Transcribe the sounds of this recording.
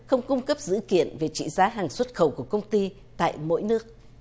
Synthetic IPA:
xə˧wŋ͡mkʊ˧ŋ͡mkə˦˥p̚zɨ̰˧˥kḭ˧˨ənve˨˩t͡ɕḭ˧˨zaː˨˦ɦaː˨˩ŋswə˦˥t̚xə˧˩wku˧˩əkə˧wŋ͡mt̪i˧ | t̪a̰ː˧˨jmo̰˧˥jnɨ˦˥ək̚

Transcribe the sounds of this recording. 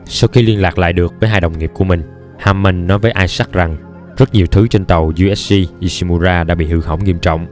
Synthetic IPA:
sa˧wxi˧li˧ənlaː˨˩k̚la̰ː˧˨jɗɨ˨˩ək̚vəː˨˦jɦaː˧jɗə˨˩wŋ͡mŋi˨˩əp̚ku˧˩əmï˨˩ŋ̟ | haː˧mːə˧˩ŋnɔ˨˦jvəː˨˦jʔaː˧jsa˦˥k̚za˨˩ŋ | zə˦˥t̚ɲi˨˩əwt̪ʰɨ˨˦t͡ɕe˧nt̪ə˨˩wzu˧ʔɛ˦˥s̚si˧ʔi˧˩si˧mu˧zaː˧ɗa̰ː˧˥ɓḭ˧˨hɨ˧˩ɦə˧˩wŋi˧əmt͡ɕɔ̰˧˨wŋ͡m

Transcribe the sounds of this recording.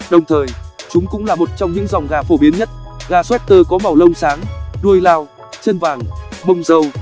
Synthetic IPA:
ɗə˨˩wŋ͡mt̪ʰəː˨˩jt͡ɕʊ˨˦ŋ͡mkʊ̰˧˥ŋ͡mlaː˨˩mo˨˩t̚t͡ɕɔ˧ŋ͡mɲɨ̰˧˥ŋzɔ˨˩wŋ͡mɣaː˨˩fo˧˩ɓi˨˦ənɲə˦˥t̚ɣaː˨˩swɛ˦˥t̚t̪əː˧kɔ˨˦ma˨˩wlə˧wŋ͡msaː˨˦ŋɗu˧əjlaː˧w | t͡ɕə˧nvaː˨˩ŋɓə˧wŋ͡mzə˧w

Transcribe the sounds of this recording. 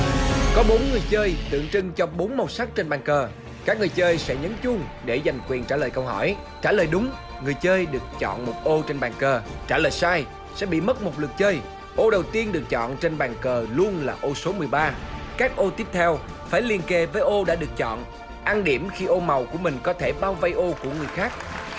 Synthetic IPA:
kɔ˨˦ɓo˨˦nŋɨ˨˩əjt͡ɕəː˧jt̪ɨ̰˧˨əŋt͡ɕɨ˧ŋt͡ɕɔ˧ɓo˨˦nma˨˩wsa˦˥k̚t͡ɕe˧nɓaː˨˩nkəː˨˩ | kaː˦˥k̚ŋɨ˨˩əjt͡ɕəː˧jsɛ̰˧˥ɲə˨˦nt͡ɕʊ˧ŋ | ɗe˧˩za˨˩jŋ̟kwi˨˩ənt͡ɕaː˧˩ləː˨˩jkə˧wɦɔ˧˩j | t͡ɕaː˧˩ləː˨˩jɗʊ˨˦ŋ͡m | ŋɨ˨˩əjt͡ɕəː˧jɗɨ˨˩ək̚t͡ɕɔ̰˧˨nmo˨˩t̚ʔo˧t͡ɕe˧nɓaː˨˩ŋkəː˨˩t͡ɕaː˧˩ləː˨˩jsaː˧j | sɛ̰˧˥ɓḭ˧˨mə˦˥t̚mo˨˩t̚lɨ˨˩k̚t͡ɕəː˧j | ʔo˧ɗə˨˩wt̪i˧ənɗɨ˨˩ək̚t͡ɕɔ̰˧˨nt͡ɕe˧nɓaː˨˩ŋkəː˨˩lu˧ənlaː˨˩ʔo˧so˨˦mɨ˨˩əjɓaː˧ | kaː˦˥k̚ʔo˧t̪i˦˥p̚t̪ʰɛ˧w | faː˧˩jli˧ənke˧vəː˨˦jʔo˧ɗa̰ː˧˥ɗɨ˨˩ək̚t͡ɕɔ̰˧˨n | ʔaː˧nɗi˧˩əmxi˧ʔo˧ma˨˩wku˧˩əmï˨˩ŋ̟kɔ˨˦t̪ʰe˧˩ɓaː˧wva˧jʔo˧ku˧˩əŋɨ˨˩əjxaː˦˥k̚

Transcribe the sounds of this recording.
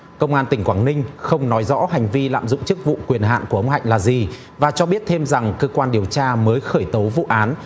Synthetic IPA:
kə˧wŋ͡mʔaː˧nt̪ï˧˩ŋ̟kwaː˧˩nnï˧ŋ̟xə˧wŋ͡mnɔ˨˦jzɔ̰˧˥ɦa˨˩jŋ̟vi˧la̰ː˧˨mzʊ̰˧˨ŋ͡mt͡ɕɨ˦˥k̚vṵ˧˨kwi˨˩ənɦa̰ː˧˨nku˧˩əʔə˧wŋ͡mɦa̰˧˨jŋ̟laː˨˩zi˨˩ | vaː˨˩t͡ɕɔ˧ɓi˦˥ət̚t̪ʰe˧mza˨˩ŋkəː˧kwaː˧nɗi˨˩əwt͡ɕaː˧məː˨˦jxəː˧˩jt̪o˨˦wvṵ˧˨ʔaː˨˦n

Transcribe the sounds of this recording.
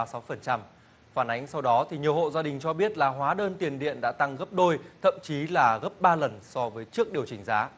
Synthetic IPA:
sa˨˦wfə˨˩nt͡ɕa˧m | faː˧˩nʔa˨˦jŋ̟sa˧wɗɔ˨˦t̪ʰi˨˩ɲi˨˩əwho̰˧˨zaː˧ɗï˨˩ŋ̟t͡ɕɔ˧ɓi˦˥ət̚laː˨˩ɦwaː˨˦ɗəː˧nt̪i˨˩ənɗḭ˧˨ənɗa̰ː˧˥t̪a˧ŋɣə˦˥p̚ɗo˧jt̪ʰə̰˧˨mt͡ɕi˨˦laː˨˩ɣə˦˥p̚ɓaː˧lə˨˩nsɔ˧vəː˨˦jt͡ɕɨ˦˥ək̚ɗi˨˩əwt͡ɕï˨˩ŋ̟zaː˨˦

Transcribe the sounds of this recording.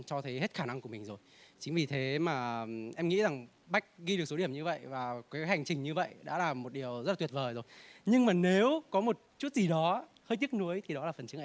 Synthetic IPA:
t͡ɕɔ˧t̪ʰə˨˦jɦe˦˥t̚xaː˧˩na˧ŋku˧˩əmï˨˩ŋ̟zo˨˩jt͡ɕï˨˦ŋvi˨˩t̪ʰe˨˦maː˨˩ʔɛ˧mŋḭ˧˥za˨˩ŋ | ɓa˦˥jk̟̚ɣi˧ɨ˨˩ək̚so˨˦ɗi˧˩əmɲɨ˧və̰˧˨jvaː˨˩kaː˨˦jɦa˨˩jŋ̟t͡ɕï˨˩ŋ̟ɲɨ˧və̰˧˨jɗa̰ː˧˥laː˨˩mo˨˩t̚ɗi˨˩əwzə˦˥aː˨˩t̪wi˨˩ət̚vəː˨˩jzo˨˩jɲɨ˧ŋmaː˨˩ne˨˦wkɔ˨˦mo˨˩t̚t͡ɕu˦˥t̚zi˨˩ɗɔ˨˦həː˧jt̪i˦˥ək̚nu˨˦əjt̪ʰi˨˩ɗɔ˨˦laː˨˩fə˨˩nt͡ɕɨ˨˦ʔː

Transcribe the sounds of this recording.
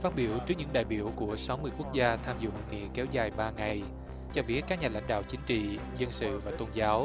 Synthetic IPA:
faː˦˥t̚ɓi˧˩əwt͡ɕɨ˦˥k̚ɲɨ̰˧˥ŋɗa̰ː˧˨jɓi˧˩əwku˧˩əsa˨˦wmɨ˧əjku˦˥k̚zaː˧t̪ʰaː˧mzʊ̰˧˨ŋḭ˧˨əkɛ˨˦wzaː˨˩jɓaː˧ŋa˨˩j | t͡ɕɔ˧ɓi˦˥ət̚kaː˦˥k̚ɲaː˨˩la̰˧˩jŋ̟ɗa̰ː˧˨wt͡ɕï˨˦ŋ̟t͡ɕḭ˧˨ | zə˧nsɨ̰˧˨vaː˨˩t̪o˧nzaː˨˦w

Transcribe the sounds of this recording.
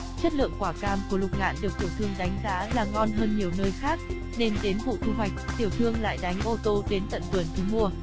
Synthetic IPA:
t͡ɕə˦˥t̚lɨ̰˧˨əŋkwaː˧˩kaː˧mku˧˩əlʊ˨˩k͡p̚ŋa̰ː˧˨nɗi˨˩ək̚t̪i˧˩əwt̪ʰɨ˧əŋɗa˨˦jŋ̟za̰ː˧˥laː˨˩ŋɔ˧nɦəː˧nɲi˨˩əwnəː˧jxaː˦˥k̚ | ne˧nɗe˨˦nvṵ˧˨t̪ʰu˧wa˨˩jk̟̚t̪i˧˩əwt̪ʰɨ˧əŋla̰ː˧˨jɗa˨˦jŋ̟ʔo˧t̪o˧ɗe˨˦nt̪ə̰˧˨nt̪ə˨˩ənt͡ɕu˨˦mu˧ə

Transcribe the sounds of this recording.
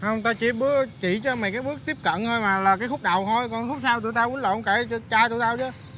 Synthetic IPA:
hə˧wŋ͡mt̪aː˧t͡ɕi˧˩ɓɨ˦˥ək̚t͡ɕḭ˧˨t͡ɕɔ˧ma˨˩kaː˨˦j̚ɓɨ˦˥ək̚t̪i˦˥əp̚kə̰˧˨nt̪ə˧jmaː˨˩laː˨˩kaː˨˦jxʊ˦˥k͡p̚ɗa˨˩wt̪ʰo˧jkɔ˨˩nxʊ˦˥k͡p̚saː˧wt̪u˧˨jt̪a˧wʔu˨˦nlo̰˧˨ŋ͡mka˧˩t͡ɕt͡ɕaː˧jt̪u˧˨jt̪aː˧wt͡ɕə˨˦

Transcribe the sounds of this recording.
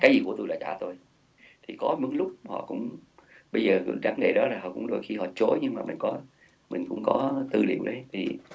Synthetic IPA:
kaː˨˦jzi˨˩ku˧˩ət̪u˧jɗa̰ː˧t͡ɕaː˧˩t̪o˧j | t̪ʰi˨˩kɔ˨˦mɨ˨˦əŋlʊ˦˥k͡p̚hɔ̰˧˨kʊ̰˧˥wŋ͡m | ɓə˧jzəː˨˩˧zaː˨˦ŋŋḛ˧˨˩ɗɔ˨˦laː˨˩hɦɔ̰˧˩kʊ̰˧˥ŋ͡mɗo˨˩jxi˧hɔ̰˧˨t͡ɕo˨˦jɲɨ˧ŋmaː˨mï˨˩ŋ̟kɔ˨˦ | mï˨˩ŋ̟kʊ̰˧˥ŋ͡mkɔ˨˦t̪ɨ˧˩lḭ˧˨əwɗə˨˦jt̪ʰi˨˩

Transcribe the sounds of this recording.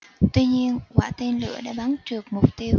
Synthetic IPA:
t̪wi˧ɲi˧ənkwaː˧˩t̪i˧nlɨ̰˧˥əɗa̰ː˧˥ɓa˨˦nt͡ɕɨ˨˩ək̚mʊ˨˩k͡p̚t̪i˧əw

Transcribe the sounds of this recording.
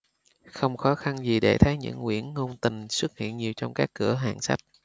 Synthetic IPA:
xə˧wŋ͡mxɔ˨˦xa˧nzi˨˩ɗe˧˩t̪ʰə˨˦jɲɨ̰˧˥ŋːwḭ˧˥˩ənːo˧nt̪ï˨˩ŋswɨ˦˥k̚hḭ˧˨ənɲi˨˩wt͡ɕɔ˧wŋ͡mkaː˦˥kːɨ˧˩əɦa̰ː˧˨ŋsa˦˥jt̚

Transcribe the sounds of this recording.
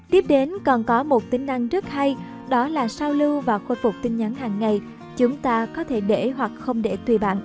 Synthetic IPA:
t̪i˦˥p̚ɗe˨˦nkɔ˨˩nkɔ˨˦mo˨˩t̚t̪ï˨˦ŋ̟ʔa˧ŋzɨ˦˥ək̚ha˧j | ɗɔ˨˦laː˨˩saː˧wlɨ˧wvaː˨˩xo˧˩fʊ˨˩k͡p̚t̪ï˧ŋ̟ɲa˨˦nɦaː˨˩ŋːa˨˩j | t͡ɕʊ˨˦ŋ͡mt̪aː˧kɔ˨˦t̪ʰe˧˩ɗe˧˩ɦwa˨˩k̚xə˧wŋ͡mɗe˧˩t̪wi˧˩ɓa̰ː˧˨nʔ

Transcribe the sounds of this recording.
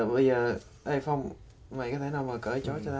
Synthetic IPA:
ɓə˧jzəː˨˩ | ʔə˧jfɔ˧wŋ͡m | ma˨˩jkɔ˨˦t̪ʰe˧˩˦naː˨˩wmaː˨˩kəː˧˩t͡ɕɔ˨˦t͡ɕɔ˧t̪a˧˦

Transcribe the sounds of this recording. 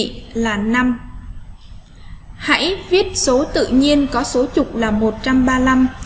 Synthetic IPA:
laː˨˩na˧m | ha̰˧˥jvi˦˥ət̚so˨˦t̪ɨ̰˧˨ɲi˧ənkɔ˨˦so˨˦t͡ɕʊ˨˩k͡p̚laː˨˩mo˨˩t̚t͡ɕa˧mɓaː˧la˧m

